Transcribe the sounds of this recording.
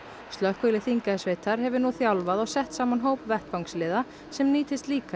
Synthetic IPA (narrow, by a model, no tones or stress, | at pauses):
st̪lœhkvelɪθiŋkasveːjt̪aɾ̥ɦɛvʏɾnuθjawlvaðawsɛht̪saːmanɦoːwpvɛht̪fawŋkslɪːða | sɛmniːt̪ɪst̪liːka